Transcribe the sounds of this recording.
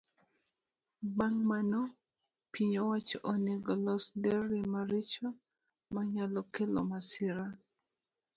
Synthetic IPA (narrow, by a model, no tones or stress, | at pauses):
baŋmanɔ | piɲowat͡ʃʔoneɡɔlɔsdɛɾimaɾit͡ʃɔ | maɲalɔkelɔ̰masɪɾa